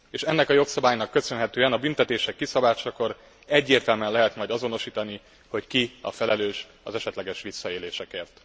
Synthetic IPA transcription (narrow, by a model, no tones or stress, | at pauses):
eːʃɛnːɛkɒjo̞ksɒbaːjnɒkːø̞sø̞nɦɛt̪øːɛnɒbynt̪ɛt̪eːʃɛkːisɒbaːt͡ʃɒko̞ɾ | ɛɟːeːrt̪ɛlmɛnlɛɦɛt̪mɒjd̪ɒzo̞no̞ʃiːt̪ɒni | ho̞ckiɒ̰fɛlɛløːʃ | ɒ̰zɛʃɛt̪lɛɡɛʃʋisːɒeːleːʃɛkeːrt̪